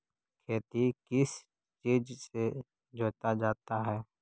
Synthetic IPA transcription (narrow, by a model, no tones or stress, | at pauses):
kʰeːt̪ikɪs | t͡ʃiːd͡ʒse | d͡ʒoːt̪ad͡ʒaːt̪aɦɛː